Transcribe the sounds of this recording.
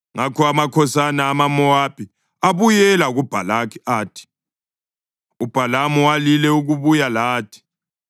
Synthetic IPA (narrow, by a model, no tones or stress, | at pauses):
ŋakʰɔamakʰɔsanaːmamɔwapʰi | aβujɛlaɣub̥ʱalakʰiaːtʰi̥ | ub̥ʱalamuwalilɛuɣuβujalaːtʰi̥